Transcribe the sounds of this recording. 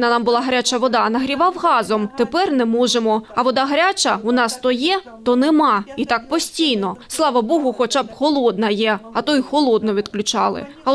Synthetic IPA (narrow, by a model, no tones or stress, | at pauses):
nɐnɑmbʊlˠɑɦɐɾʲat͡ʃɐʋɔd̪ɑnɐɦɾʲiʋɑwɦɑzɔmt̪epɛrnɛmɔʒemɔɐʋɔd̪ɑɦɐɾʲat͡ʃɐʊnɑst̪ɔjɛ | t̪ɔnɛmɑit̪ɑk̚pɔsʲtʲijnɔslˠɑʋɐbɔɦʊxɔt͡ʃɑbxɔlˠɔd̪nɐjɛɐt̪ɔjxɔlˠɔd̪nɔʋʲid̪klʲʊt͡ʃɑlˠɪ̰ | ɐ